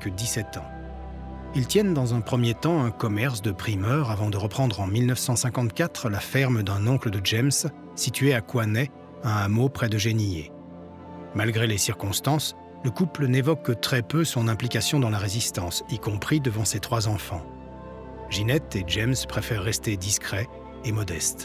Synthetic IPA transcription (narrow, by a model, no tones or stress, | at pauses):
kəd̪isɛt̪ɑ̃ | ilt̪jɛnd̪ɑ̃zɛ̃pχəmjet̪ɑ̃ɛ̃kɔmɛʁs̬d̪əpχimœʁavɑ̃d̪əʁəpχɑ̃d̪ʁɑ̃milnəfsɑ̃sɛ̃kɑ̃t̪kʲat̪χəlafɛʁmd̪ɛ̃nɔ̃kləd̪əʒɛms | sit̪ɥeakwanɛ | ɛ̃amopχɛd̪əʒeniḛ | malɡʁelesiʁkɔ̃st̪ɑ̃s | ləkuplənevɔkːət̪χɛpøsɔ̃nɛ̃plikʲasjɔ̃d̪ɑ̃laʁezist̪ɑ̃sikɔ̃pχid̪əvɑ̃set̪χwazɑ̃fɑ̃ | ʒinɛt̪eʒɛmspχefɛʁːɛst̪ed̪iskχɛ | emɔd̪ɛst̪